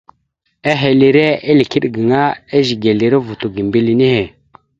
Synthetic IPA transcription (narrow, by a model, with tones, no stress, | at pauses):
a˦ɦe˨li˨ɾe˦e˦li˨ki˦ɗɡi˨ŋa˦e˦zi˨ɡe˨li˨ɾe˦vu˨tu˨ɡi˨m˨bi˨li˨ni˦he˨